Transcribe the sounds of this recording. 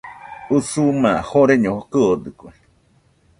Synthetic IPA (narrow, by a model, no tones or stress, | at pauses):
usumãhoɾeɲõhokɨod̪ɨkwe